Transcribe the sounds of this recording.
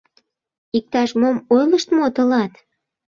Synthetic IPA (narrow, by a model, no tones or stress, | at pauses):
ik̚t̪ɑʃmomojləʃt̪mot̪ə̆lɑt̪